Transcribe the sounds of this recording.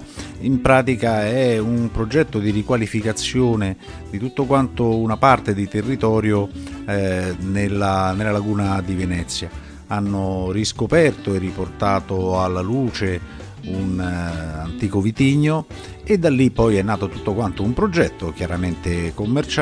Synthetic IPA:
impɾaːt̪ikaɛumpɾod͡ʒɛt̪ːod̪iɾikwalifikat̪sːjoːne | d̪it̪ut̪ːokwant̪ounapart̪ed̪it̪erːit̪ɔːɾjo | nelːanelːalaɡuːnad̪ivenɛt̪sːja | anːoriskopɛrt̪oerːiport̪aːt̪oalːaluːt͡ʃe | unant̪iːkovit̪iɲːo | ed̪alːipːɔjɛnːaːt̪ot̪ut̪ːokwant̪oumpɾod͡ʒɛt̪ːok̟jaɾament̪ekomːert͡ʃ

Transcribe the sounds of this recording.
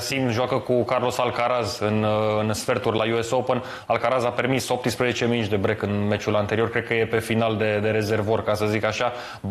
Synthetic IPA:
simʒoakəkukarlo̞salkaɾazɨnɨnsfe̞rt̪urʲlajuesopən | alkaɾazape̞rmiso̞p̚t̪ɨspɾəze̞t͡ʃeminut͡ʃd̪e̞bɾekɨnme̞t͡ʃulant̪eɾio̞rkɾed̪̚kəje̞pe̞finald̪e̞d̪e̞ɾe̞ze̞rvorkasəzikaʃa

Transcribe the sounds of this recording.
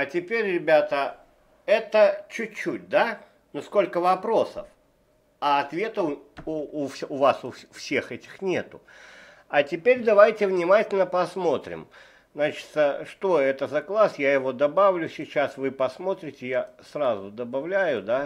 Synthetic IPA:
ɐtʲɪpʲeɾʲrʲɪbʲat̪ə | ɛt̪ət͡ɕʉtʲt͡ɕːut̚ʲd̪a | nʊsko̞lʲkəvɐpɾo̞sə̰f | ɐɐt̪vʲe̞t̪əʊʊfʲʊvasʊfsʲe̞xɛtʲɪ̥xnʲe̞t̪ʊ | ɐtʲɪpʲeɾʲd̪ɐvajtʲɪvnʲɪmatʲɪlʲnəpɐsmo̞t̪ɾʲɪ̰m | znat͡ɕɪ̥t̪əʂt̪o̞ɛt̪əzɐklˠasjajɪvo̞d̪ɐbavlʲʊsʲɪt͡ɕasvɨpɐsmo̞t̪ɾʲɪtʲɪjasɾazʊd̪əbɐvlʲæjʊd̪a

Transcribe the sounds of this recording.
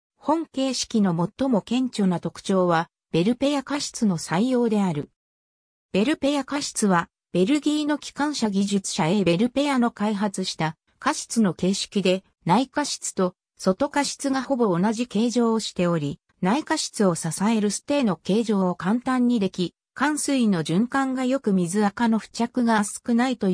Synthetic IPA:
hõ̞ŋke̞ːɕi̥kʲino̞mo̞t̪ːo̞mo̞kẽ̞ɲt͡ɕo̞nat̪o̞kɯ̟̥t͡ɕo̞ːβa | b̥e̞ɾɯ̟pe̞jakaɕi̥t͡sɨno̞saijo̞ːd̪e̞aɾɯ̟ | b̥e̞ɾɯ̟pe̞jakaɕi̥t͡sɨβa | b̥e̞ɾɯ̟ɡʲiːno̞kʲi̥kãɰ̃ɕaɡʲiʑɨt͡sɨ̥ɕae̞be̞ɾɯ̟pe̞jano̞kaiɦat͡sɨɕi̥t̪a | kaɕi̥t͡sɨno̞ke̞ːɕi̥kʲid̪e̞ | naikaɕi̥t͡sɨ̥t̪o̞ | so̞t̪o̞kaɕi̥t͡sɨɡaho̞bo̞ːnaʑike̞ːʑo̞ːɕi̥t̪e̞o̞ɾʲi | naikaɕi̥t͡sɨo̞sasae̞ɾɯ̟sɨ̥t̪e̞ːno̞ke̞ːʑo̞ːkãnt̪ãɲ̟ːid̪e̞kʲi | kãɰ̃sɨino̞ʑɨ̃ŋkãŋɡajo̞kɯ̟mʲizɨakano̞ɸɯ̟̥t͡ɕakɯ̟ɡasɨ̥kɯ̟nait̪o̞

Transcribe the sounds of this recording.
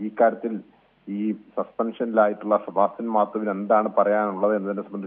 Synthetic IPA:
iːkːaːɾjɐt̪ːil | iːsɐspɐnʂɐnilaːjiʈːuɭːɐsɐbʱaːsinmaːt̪ːɐʋine̞nd̪aːɳɨpɐrɐjaːnuɭːɐðenːɐt̪nːesɐmbɐnd̪it͡ɕː

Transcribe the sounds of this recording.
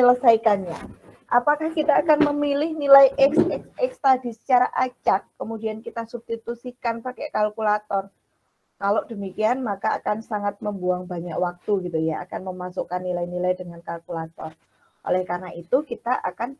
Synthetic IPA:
ələsaikanɲaʔapakahkit̪aːkanməmilɪhnilajʔɛksɛksɛkst̪adi̤sə̥t͡ʃaɾaʔat͡ʃakːəmudiankit̪asub̚st̪it̪usikanpakɛʔkalkulat̪ɔr | kaloʔd̥əmikianmakaa̰kansaŋat̪̚məmbuaŋba̤ɲakwak̚t̪uɡit̪ujaa̰kanməmasukanːilainilajdəŋankalkulat̪ɔ̰r | ʔo̰lɛhkarnaʔit̪ukit̪aʔa̰kan

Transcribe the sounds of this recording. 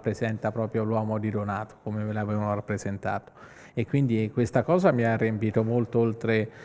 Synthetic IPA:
pːɾezɛnt̪apɾɔːpɾjolwɔːmod̪id̪onaːt̪o̥komemelavɛːvanoɾapːɾezent̪a̰ːt̪o̥ | ekwind̪ikwest̪akɔːzamiarːempiːt̪omolt̪oolt̪ɾe

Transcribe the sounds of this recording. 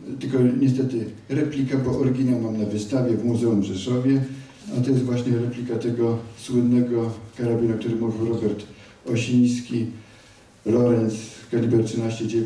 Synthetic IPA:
t̪ɘlkɔɲɛst̪ɛt̪ɘ | ɾɛplʲikabɔʔɔɾɡʲinalmamnavɘst̪avʲjɛvmuzɛumʐɛʂɔvʲjɛ | at̪ɔjɛst̪vwaɕɲɛɾɛplʲikat̪ɛɡɔswɘd̪nːɛɡɔkaɾabʲinak̚t̪uɾɘmuvʲiwɾɔbɛɾt̪ | ɔɕij̃skʲi | lɔɾɛnt̪skalʲibɛɾtʂɘnaɕt͡ɕɛd͡ʑɛ

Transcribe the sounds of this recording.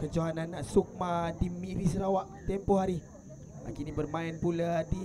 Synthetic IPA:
kəd͡ʒoɦananaʔsuk̚madimiɾis̬əɾawaʔt̪ɛmpɔɦaɾi | a̰kinibərmaɛnpuladi

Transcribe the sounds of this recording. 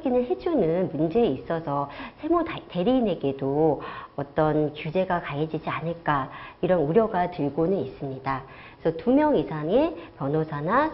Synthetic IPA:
ɡinɯɭɦe̞d͡ʑunɯnmund͡ʑe̞ːis͈ʌsʰʌsʰe̞mote̞ɾiːne̞ɡe̞doʌt͈ʌnkjud͡ʑe̞ɡakajed͡ʑid͡ʑianɯɭk͈aiɾʌnuɾjʌɡatɯɭɡonɯnis͈ɯmɲida | esʰʌtumjʌŋisʰaŋe̞pjʌnosʰana

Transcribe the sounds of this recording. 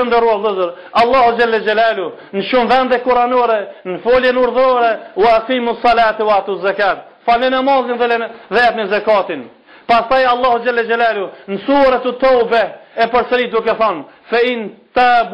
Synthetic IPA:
ənd̪ɔrualðɨzəɾ | ɑlˠːɑhud͡ʒalːɛd͡ʒalaːlu | nəʃumvɛnd̪ɛkuɾanɔɾɛnəfɔljɛnuɾðɔɾɛwɛaqiːmusˤːɑlaːt̪wat̪uzːakaːt̪̚ | falnɛnamazˠɛnðɛlɛðɛt̪nɛzakɑt̪in | past̪ajɑlˠˤːɑhud͡ʒalːɛd͡ʒalalunəsuɾɛt̪ət̪ɔwbɛɛpəɾsəɾit̪̚d̪ukɛθɔnfaint̪ab

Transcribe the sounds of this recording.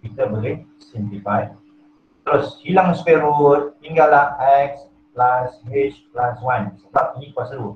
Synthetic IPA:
bit̪əbəɡɛn | sĩmplifaj | t̪ɾoshilãŋspeɾut̪̚ːiŋɡalahɛks | plashet͡ʃplaswãnsəbap̚inikwasəɾu

